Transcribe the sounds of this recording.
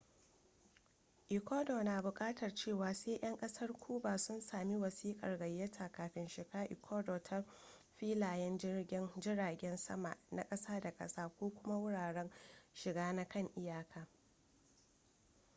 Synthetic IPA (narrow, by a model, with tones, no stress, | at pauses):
ʔɪ˨kʷoː˦doː˨naː˨bʊ˨kʼaː˦tʰɐ˨rt͡ʃeː˦˨waː˨seː˦ʔɐ˦ŋkʼɐ˦sɐ˦rkʷʰuː˦baː˨sʊ˦nsaː˨mi˦wɐ˨siː˦kʼɐ˨rɡɐ˨jːɐ˦tʰaː˨kaː˨ɸɪ˨nʃɪ˨ɡaː˦ʔɪ̰˨kʰoː˦doː˨tʰa˦ | ɸiː˦laː˨jɛ˦nd͡ʒɪ˦rɡʲɪ˦nd͡ʒɪ˦ɽaː˨ɡʲɛ˦nsɐ̰˦ma̰˨ʔna̰˦kʼɐ˦saː˦da˨kʼɐ̰˦saː˦kʷoː˦kʷʊ˦ma˦wʊ˦ɽaː˨ɽɛ˦nʃɪ˨ɡaː˦na˦kɐ˦˨ŋʔɪ˦jaː˨kʰaː˨